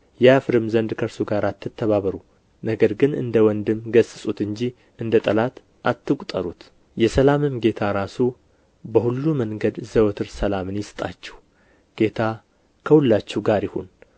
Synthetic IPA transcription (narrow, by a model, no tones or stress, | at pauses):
jɛafɨɾɨmzənd̪kʰəɾsuɡaɾat̪ʰːɨt̪ʰːəβaβəɾu | nəɡəɾɡɨnɨ̰nd̪əwɔnd̪ɨmɡəsʼːɨsʼut̪ɨɲd͡ʒi | ɨnd̪ət̪ʼəlat̪ | ʔat̪ːɨkʼt̪ʼəɾut̪ | jɛsəlamɨmɡe̞t̪ʰaɾasu | bəhulːuməŋɡəd̪zəwt̪ʰɨɾsəlamɨnjɪst̪ʼa̰t͡ʃːɛ̥h | ɡ̥e̞t̪ʰa | kʰəhulːat͡ʃːɛɡaɾjɪho̰n